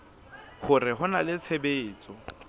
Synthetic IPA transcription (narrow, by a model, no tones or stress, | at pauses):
χʊrɪɦʊnalɪt͡sʰebeːt͡sʼɔ